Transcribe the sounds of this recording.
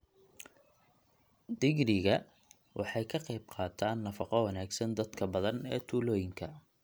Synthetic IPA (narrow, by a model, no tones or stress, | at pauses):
d̪ɪɡɾɪɣɐ | wʔɑ̰ħɑjkʰɐqɑjb̚qɑːt̪ʰaːnːɐfɑqɔwɑnaːɡsɐnd̪ɐd̪kʰɐbɐðɐnɛːt̪ʰuːlɔːjɪŋkʰɐ